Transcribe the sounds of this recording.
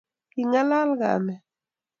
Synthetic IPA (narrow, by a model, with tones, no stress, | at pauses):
ki˨ŋa˦la˦lɣa̰˨mɛ˨